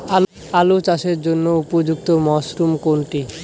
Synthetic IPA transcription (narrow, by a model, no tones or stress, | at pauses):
al | alot͡ɕaʃeɾd͡ʑonːoupod͡ʑuk̚t̪omɔʃɾumkoɳʈi